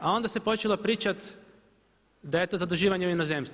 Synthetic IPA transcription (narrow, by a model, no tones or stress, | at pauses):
ao̞nd̪ase̞po̞t͡ʃelˠo̞pɾiːt͡ʃat̪ | d̪ajet̪ozad̪uʒiːʋaɲeuinozemst̪